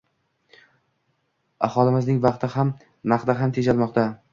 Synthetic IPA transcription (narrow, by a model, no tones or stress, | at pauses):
a̰hɒlˠɪmɪznɪŋvɑqt̪ʰɪham | naqd̪aɦamt̪ʰed͡ʒalmɒqt̪a